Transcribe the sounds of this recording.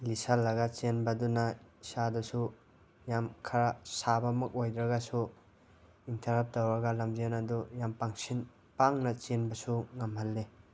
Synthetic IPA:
lisalːɐɡat͡ʃenbɐdunasadusu | jamkʰɐɾasabɐmɐk̚ojd̪ɾɐɡasu | intʰɐɾap̚tawɾɐɡalamzenɐdujampaŋsin | paŋnɐt͡ʃenbɐsuŋɐmhalːe

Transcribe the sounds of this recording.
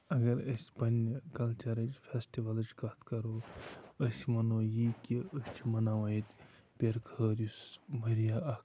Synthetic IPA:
ɐɡɐɾɐsʲpɐnkɐlt͡ʃɐɾɐd͡ʒfʰesʈiʋɐlɐt͡ʃkɐt̪ʰkɐɾoːəsʲmɐnoːjikiəst͡ʃʰimɐnaːʋɐjit̪pʲeɾkʰəːɾjusmɐɾijaɐk

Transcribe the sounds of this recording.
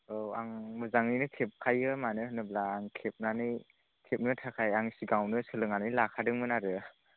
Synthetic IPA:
oaŋmɯzaŋinɯkʰep̚kʰajɯmanɯhɯnɯblaːŋkʰep̚nanɯj | kʰep̚nɯtʰakʰajaŋsiɡawnɯsɯlɯŋanɯjlakʰadɯŋmɯnaɾɯ

